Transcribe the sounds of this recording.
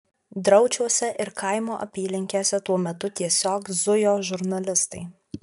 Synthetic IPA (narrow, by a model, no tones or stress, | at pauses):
d̪ɾɐʊt͡ʃʲuɔsʲɛʔɪɾkɐˑɪmoːʔɐ̰pʲiːlʲɪŋʲkʲeːsʲɛt̪uɔmʲɛt̪ʊt̪ʲiɛsʲoːkzʊjoːʒʊɾnɐlʲɪst̪ɐɪ